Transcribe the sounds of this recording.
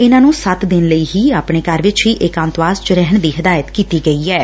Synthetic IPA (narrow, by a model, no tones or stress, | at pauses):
ɪnãːnũːsət̪d̪ɪnləiːɦiːaːpɳ̃eːkəɾʋɪt͡ʃɦiːʔɪkãːnt̪ʋaːst͡ʃəɾɛɦəɳd̪iːɦəd̪aːjət̪kiːt̪iːɡəiːɛː